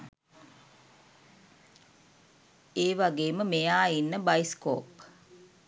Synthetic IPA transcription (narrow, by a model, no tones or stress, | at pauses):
eːʋaɡeːməmejaːinːəbajsko̰ːp